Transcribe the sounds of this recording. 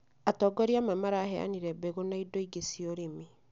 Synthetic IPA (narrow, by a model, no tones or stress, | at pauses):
atɔɡɔɾiamamaɾahɛa̰niɾɛbɛɣonaidoiɡesioɾemi